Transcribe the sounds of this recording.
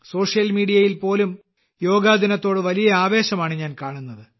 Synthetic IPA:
so̞ːʂjɐlmiːɽijɐjilpo̞ːlum | jo̞ːɡaːd̪ʱinɐt̪ːo̞ːɽɨʋɐlijɐaːʋe̞ːɕɐmaːɳɨɲaːnkaːɳunːɐðɨ

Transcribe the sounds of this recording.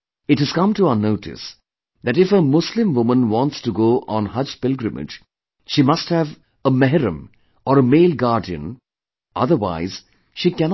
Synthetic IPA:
ɪʈhɨz̥kʌ̃mtuənoʊʈʰɪ̰s | d̪æʈɪfəmʊslɪ̃mʋʊmə̃nʋɔ̃ːntstuɡoːʔɔ̃nhʌd͡ʒpɪlɡɾɨmɪ̰d͡ʒ | ʃiːmʌsthæʋ | əmɛɦɾə̃m | ɔːɾəmeːlɡaːɾɖiə̰̃n | ʔʌ̰ðəɾwa̰ɪz̥ | ʃiːkɛn

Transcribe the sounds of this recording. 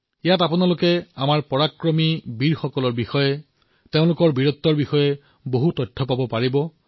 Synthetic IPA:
ijatapʊnalʊkɛamaɹpɔɹakɹɔmibiɹxɔkɔlɔɹbixɔjɛ | teʊ̃lʊkɔɹbiɹɔt̪ːɔɹbixɔjɛ | boɦutɔtʰːɔpabɔpaɹibɔ

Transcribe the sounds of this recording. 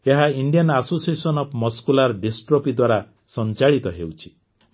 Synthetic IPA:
eɦaiɳɖijɔnasosiesɔnɔpʰmɔskulaɾɖesʈɾopid̪waɾa | sɔnt͡ʃaɭit̪ɔɦewt͡ʃʰi̥

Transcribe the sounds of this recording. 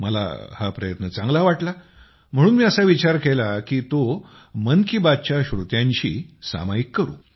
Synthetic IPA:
məla̰ha̰pɾəjət̪nət͡sãŋɡlaʋaʈla | m̤əɽuːnmiːəsaʋit͡ɕaɾkelakiːt̪o | mənkibad̪̚t͡ɕaɕɾut̪jãɲt͡ɕḭːsa̰maikːəɾṵː

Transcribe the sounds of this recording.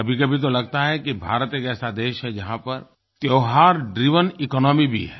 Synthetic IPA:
ɐbʱikɐbʱit̪̬olɐɡt̪aɦɛkibʱa̰ːɾət̪ekɛːsad̪eːʃɦɛd͡ʒɐɦãpɐɾ | t̪joːɦaːɾɖɾiːʋənɪkɔːnɔːmibʱḭɦɛː

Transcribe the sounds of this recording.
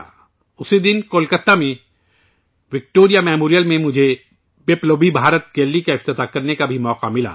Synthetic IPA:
ʊsid̪ɪnkoːlkət̪ːamẽ | ʋɪk̚ʈoːɾijamɛːmoːɾijəlmẽmʊd͡ʒʱe | beːploːbibʱaːɾət̪ɡeːlːikaɪft̪ɪt̪akɐɾnekabʱimɔːqamɪla̰

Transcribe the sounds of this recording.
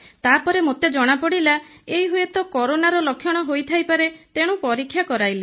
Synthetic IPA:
t̪apɔɾemot̪ed͡ʒɔɽ̃apɔɽilaejɦuet̪ɔkɔɾonaɾɔlɔkʰjɔɽ̃ɔɦojt̪ʰajpaɾet̪eɽ̃ũpɔɾikʰːjakɔɾajli

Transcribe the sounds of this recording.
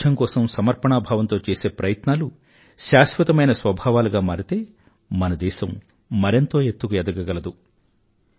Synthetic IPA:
ɐŋkɔːsɐmsɐmɐɾpɐɳaːbʱaːʋɐnt̪o̞ːt͡ʃeːse̞ːpɾɐjɐt̪naːlu | ʃaːʃʋɐt̪ɐmɐjnɐsʋɐbʱaːʋaːluɡaːmaːɾit̪e̞ː | mɐnɐd̪ɛːʃɐmː | ɐɾint̪o̞ːet̪ːuɡujɛd̪ɐɡɐɡɐlɐd̪u

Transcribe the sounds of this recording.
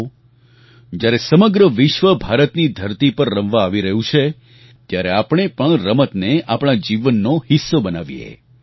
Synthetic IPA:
d͡ʒjaɾesəməɡɾəʋɪʃʋəbʱaɾət̪nid̪ʱəɾt̪ipəɾːəmʋaːʋiɾəɦũt͡ʃʰe | t̪jaɾeapɽ̃epəɳɾəmət̪neapɳ̃ad͡ʒiʋənːohɪsːobənaʋjḛ

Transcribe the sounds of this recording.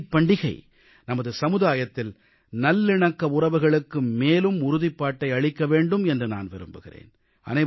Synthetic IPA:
pːɐɳɖɪɣɐɪ | nɐmɐðɯsɐmɯðaːjɐt̪ːɪl | nɐlːɪɳɐkːɐʊrɐʋɯɣɐɭɯkːɯmeːlɯmʊɾʊðɪpːaːʈːɐɪɐɻɪkːɐʋeːɳɖɯmɛndrɯna̰ːnʋɛɾɯ̰mbɯɣɪ̰rḛːn | ʔɐ̰nɐɪ

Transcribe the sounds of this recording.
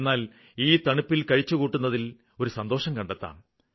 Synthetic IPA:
nːaːl | iːt̪ɐɳupːilkɐɻit͡ɕːukuːʈːunːɐðil | o̞ɾusɐnd̪o̞ːʂɐmkɐɳɖet̪ːa̰ːm

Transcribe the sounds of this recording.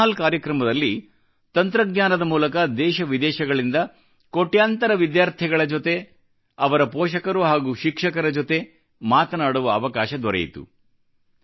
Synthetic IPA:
alkaːɾjɐkɾɐmɐd̪ɐlːi | t̪ɐnt̪ɾɐɡɲaːnɐd̪ɐmuːlɐkɐd̪ɛːʃɐʋid̪ɛːʃɐɡɐɭind̪ɐ | ko̞ʈːjaːnt̪ɐɾɐʋid̪jaːɾt̪ʰɛɡɐɭɐd͡ʒot̪e̞ | ɐʋɐɾɐpɔːʃɐkɐɾuɦaːɡuːʃikʂɐkɐɾɐd͡ʒot̪e̞ | maːt̪ɐnaːɽuʋɐːʋɐkaːʃɐd̪ɔɾḛjḭt̪ṵ

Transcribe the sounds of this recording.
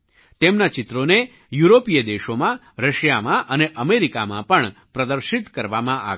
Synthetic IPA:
t̪emnat͡ʃɪt̪ɾone | juɾopijəd̪eʃomã | ɾəʃjamãʔəneʔəmeɾikamãpəɳpɾəd̪əɾʃit̪kəɾʋamãʔa̰

